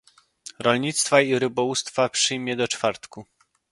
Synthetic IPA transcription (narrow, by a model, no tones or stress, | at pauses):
ɾɔlɲit̪st̪faiɾɘbɔwust̪fapʂɘjmʲjɛd̪ɔt͡ʂfaɾt̪ku